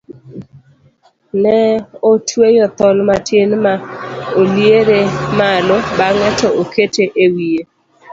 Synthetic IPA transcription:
nɛotwejɔt̪ɔlmatʰjenmaoljeɾemalɔbaŋɛtɔoketeʔewie

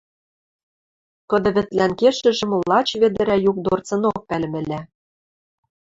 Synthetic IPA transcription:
kɤ̆d̪ɤ̆βɘ̆t̪lænkeʃɘ̆ʒɘ̆mlɑt͡ɕβĕd̪ɘ̆ɾæjuk̚d̪ort͡sɤ̆nok̚pælɘmɘ̆læ

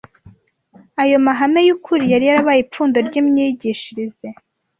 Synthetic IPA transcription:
ajo̞maɦame̞jukʰuɾijaɾijaɾaβajip͡fuːndo̞ɾɟiːmɲiɟiʃiɾize

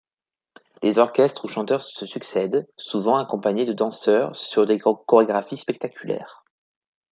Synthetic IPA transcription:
lʔezɔʁkʲɛst̪χuʃɑ̃t̪œʁsəsyksɛd̪suvɑ̃akɔ̃paɲed̪əd̪ɑ̃sœʁsyʁd̪ekɔʁeɡʁafispɛk̚t̪akʲʰylɛ̰ːʁ

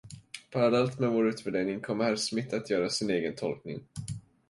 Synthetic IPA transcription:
pʰaɾalɛlt̪mɛvoːɾʉ̟ːt̪vɛd̪ɛːnɪŋkʰɔmːəhæɾsmɪt̪ʰːat̪ʰjœːɾasɪneːɡənt̪ʰɔ̰lknɪ̰ŋ

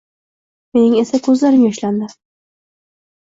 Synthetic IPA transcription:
me̞nɪŋe̞sakʰɵzlaɾɪmjɒʃland̪ɪ

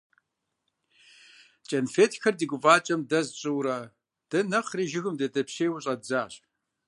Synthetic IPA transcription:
t͡ʃʼɐnfeːtʰxɐrdiɡʷʊvaːt͡ʃʼɐmdɐzɕʼɨwɾɐ | d̥ɐnɐχriʒɪɣɨmdɐdɐpɕeːwʊɕʼɐzaːɕ

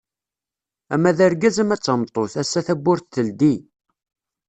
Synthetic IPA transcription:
æmːæðæɾɡæzəmæt͡sːəmt̪ˤoθæsːæθæbːʊɾθθəld̪i

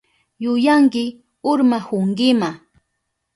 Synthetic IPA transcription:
jʊjaŋkɪ | ʊɾmahʊŋɡɪma

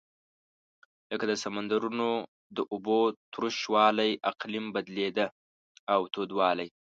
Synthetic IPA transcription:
ləkad̪əsamand̪aɾuno | d̪əʔʊbot̪ɾuʃwɑlajʔaqlimbad̪led̪ə | awt̪od̪wɑlaj

